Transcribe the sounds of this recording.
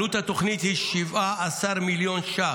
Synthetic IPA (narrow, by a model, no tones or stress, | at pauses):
ut̪hat̪oχnit̪hiʃivʔaʔasaɾmiljonʃa